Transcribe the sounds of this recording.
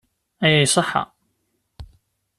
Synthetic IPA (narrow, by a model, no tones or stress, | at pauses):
æjæjsˤəħːɑ̰